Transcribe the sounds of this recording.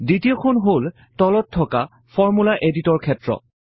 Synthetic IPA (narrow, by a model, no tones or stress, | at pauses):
ditiokʰonɦol | tɔlɔtʰːɔka | fʰɔɹmulaʔeditɔɹkʰɛtɹɔ̰